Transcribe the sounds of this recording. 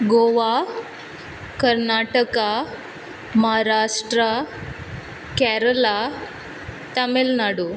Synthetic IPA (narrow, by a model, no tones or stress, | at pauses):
ɡoʋa | kəɾnaʈəka | məɦaɾaʂʈɾə | kɛɾəla | t̪əmelnaɽu